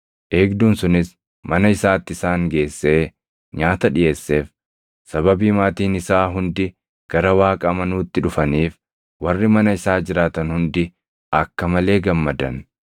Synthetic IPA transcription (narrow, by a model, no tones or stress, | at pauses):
ʔe̞ːɡd̪uːnsʊnɪs | mɐnɐɪsaːt̪ːɪsaːŋɡe̞ːsːe̞ː | ɲaːt̪ɐᶑɪjʔe̞ːsːe̞ːf | sɐβɐbiːmaːt̪iːnɪsaːɦʊnd̪ɪ | ɡ̥ɐɾɐwaːkʼɐmɐnuːt̪ːɪᶑʊfɐniːf | wɐrːɪmɐnɐɪsaːd͡ʒɪɾaːt̪ɐnhʊnd̪ɪ | ɐkːɐmɐle̞ːɡɐmːɐd̪ɐn